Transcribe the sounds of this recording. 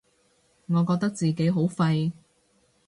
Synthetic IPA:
ŋɔː˨˧kɔː˧k̚t̪ɐ˥k̚t͡siː˨ke˨˥jɦo˨˥wfɐ˧j

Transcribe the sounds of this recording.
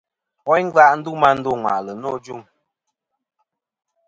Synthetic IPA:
ɔ˨˦jŋ̩˦ɡa˦ʔn̩˦du˦ma˦n̩˦du˦˨ŋwa̰˨ʔlə˨nɔ˦˨d͡ʒu˦ŋ

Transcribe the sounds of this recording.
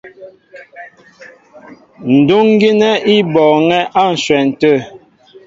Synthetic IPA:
n̩˨du˦ŋ˦ɡi˦nɛ˦i˦bɔ˨ŋɛ˦ʔa˦˨n̩˨ʃwɛ˨n̩˨tə˦˨

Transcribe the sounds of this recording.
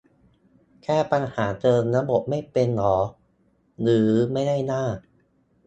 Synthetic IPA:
kʰɛː˥˩pa˧nhaː˩˦t͡ɕɤː˧nna˦˥bo˨˩t̪̚ma˥˩jpe˧nːɔː˩˦ | ɾɯː˩˦ma˥˩jda˥˩jnaː˥˩

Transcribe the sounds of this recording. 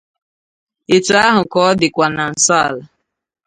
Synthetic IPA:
ɪ˨tʊ˨a˦ɦʊ˨kɔ˦dɪ˨kʷa˨na˨n̩˨sɔ˦a̰˨la˨

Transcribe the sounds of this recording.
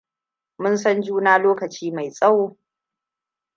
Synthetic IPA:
mʊ˦nsɐ˦nd͡ʒuː˦naː˦loː˦kɐ˨t͡ʃiː˦ma˨jsʼa˦w

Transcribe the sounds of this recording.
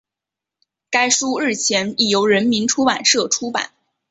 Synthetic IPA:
ka˥ɪʂu˥ɻ̩˥˩t͡ɕʰjɛ˧˥ni˥˩jo˧˥ʊɻə˧˥nmi˧˥nʈ͡ʂʰu˥pa˨˩nʂɤ˥˩ʈ͡ʂʰu˥pa̰˨˩˦n

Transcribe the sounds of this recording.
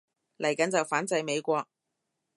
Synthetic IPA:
lʔɐ˨˩jkɐ˨˥nt͡sɐ˨wfaː˨˥nt͡sɐ˧jme˨˧jkʷɔː˧k̚

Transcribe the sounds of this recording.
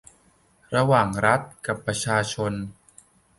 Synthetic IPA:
ɾa˧waː˨˩ŋɾa˦˥t̪̚ka˨˩pːɾa˧t͡ɕʰaː˧t͡ɕʰo˧n

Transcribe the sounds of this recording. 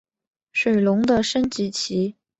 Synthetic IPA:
ʂwe˨˩ɪlʊ˧˥ŋd̪ə˧ʂə˥nt͡ɕi˧˥t͡ɕʰi˧˥

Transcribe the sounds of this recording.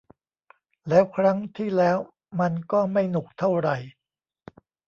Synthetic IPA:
lɛː˦˥wkʰɾa˦˥ŋt̪ʰiː˥˩lɛː˦˥w | ma˧nkɔː˥˩ma˥˩jnu˨˩k̚t̪ʰa˥˩wɾa˨˩j

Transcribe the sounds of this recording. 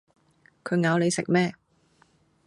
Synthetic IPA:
kʰɵ˨˧ɥŋaː˨˧wle˨˧jsɪ̰˨k̚mɛː˥

